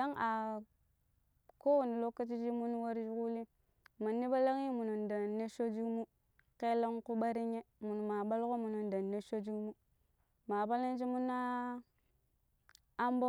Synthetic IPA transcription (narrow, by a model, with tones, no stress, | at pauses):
da˦ŋa˨ | ko˦wu˨ni˨lo˦kːa˦t͡ʃi˦d͡ʒi˦mu˦n˦wa˦ɾd͡ʒi˦ku˦li˦ | ma˨nːi˦ba˦la˦ŋi˦mu˨nu˨nda˨nːe˦ʃo˦d͡ʒi˦kmu˦ | ke˦la˦ŋku˦ɓa˦ɾi˦ɲe˦mu˨n˨ma˨ba˦lko˦mu˨nu˨nda˨nːe˦ʃo˦d͡ʒi˦kmu˦ | ma˨ba˦la˦n˦d͡ʒi˦mu˦na˦ | a˦mbo˦